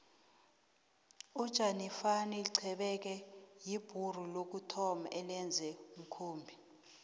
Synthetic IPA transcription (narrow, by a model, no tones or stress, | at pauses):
ud̥ʒ̥ʱʼanifaniliǀʰɛɓɛk̬ɛjib̥ʱur̤ulok̬utʰɔma̰ʔɛlɛnd͡zʱɛum̩kʰuːmbʱi